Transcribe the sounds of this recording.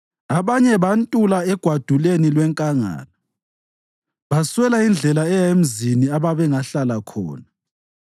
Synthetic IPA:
aβaɲɛβantʼulaɛɡ̥ʱwad̥ʱulenilwɛŋkʼaŋa̰ːla | βaswɛlaind͡ɮʱɛlaɛjem̩ziniaβaβɛŋaɬalakʰɔ̰ːna

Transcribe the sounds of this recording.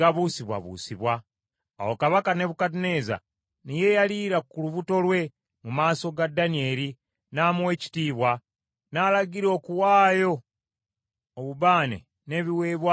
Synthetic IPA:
aβuːsiβwa̰βṵːsiβwa̰ː | wokaβakane̞βukatine̞za̰ | nije̞jaliːɾakuluβuto̞lwe̞ | mumaːso̞ɡadːanie̞ːɾi | naːmwe̞ːci̥tiːβwa | naːlaɡiɾo̞ːkuwaːjo̞ | βuβaːnḛ | ne̞βiwe̞ːβwa

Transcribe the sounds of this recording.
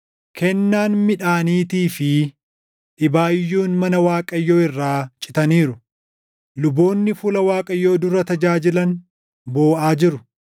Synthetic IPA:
kʰɛnːaːnmɪᶑaːniːt̪iːfɪ | ᶑɪbaːjːuːnmɐnɐwaːkʼɐjːo̞ːɪrːaːt͡ʃʼɪt̪ɐniːɾʊ | lʊbo̞ːnːɪfʊlɐwaːkʼɐjːo̞ːd̪ʊɾɐt̪ɐd͡ʒaːd͡ʒɪlɐn | bo̞ːʔaːd͡ʒɪɾʊ

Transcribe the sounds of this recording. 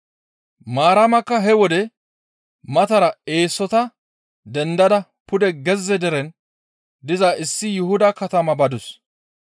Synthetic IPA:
maːɾɐmɐkːɐɦɛwɔd̪ɛ | mɐt̪ɐɾɐe̞ːsːɔt̪ɐ | d̪ɛnd̪ɐd̪ɐ | pʊd̪ɛɡɛzːɛd̪ɛɾɛn | d̪ɪzaʔɪsːɪjʊhʊd̪ɐkɐt̪ɐmɐbɐd̪ʊs

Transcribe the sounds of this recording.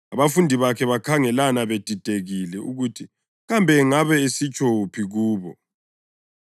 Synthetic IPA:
aβafundʱiβakʰɛβakʰaŋɛlanaβed̥ʱid̥ʱeɣilɛʔuɣutʰi | ɣambʱɛŋaβɛesit͡ʃʼopʰiɣuːβɔ

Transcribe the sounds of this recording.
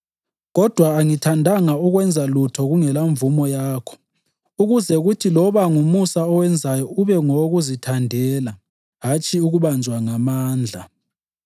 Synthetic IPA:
ɣɔd̥ʱwaːŋitʰandʱaŋauɣwɛnd͡zʱalutʰɔɣuŋɛlaɱvumɔjaːkʰɔ̥ | uɣuzɛɣutʰilɔβaŋumusaɔwɛnd͡zʱajɔuβɛŋoɣuzitʰandʱɛːla | ɦat͡ʃʰʼiuɣuβand͡ʒʱwaŋamaːnd͡ɮʱa

